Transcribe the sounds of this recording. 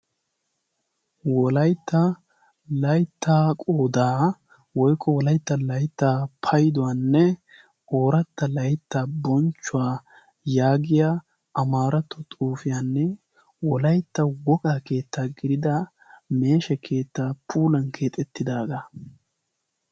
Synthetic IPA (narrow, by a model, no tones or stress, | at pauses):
wɔlɐjt̪ːɐ | lɐjt̪ːaːkʼoːd̪aː | wɔjkʰːɔwɔlɐjt̪ːɐlɐjt̪ːaːpʰɐjd̪ɔwaːnːɛ | o̞ːɾɐt̪ːɐlɐjt̪ːaːbɔnt͡ʃːʊwaː | jaːɡɪjaː | ɐmaːɾɐt̪ːɔt̪ʼuːfɪjaːnːɛ | wɔlɐjt̪ːɐwɔkʼaːke̞ːt̪ʰːaːɡɪɾɪd̪ɐ | me̞ːʃɛkʰe̞ːt̪ːaːpʰuːlɐnkʰeːt̪ʼɛt̪ːɪd̪aːɡɐ